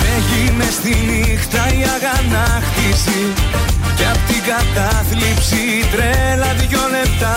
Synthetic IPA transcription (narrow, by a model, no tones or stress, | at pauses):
eʝinest̪inixt̪ɐiɐɣɐnɐxt̪isi | ceɐpot̪iɡɐt̪ɐθlipsi | t̪ɾelɐðʝole̞pt̪ɐ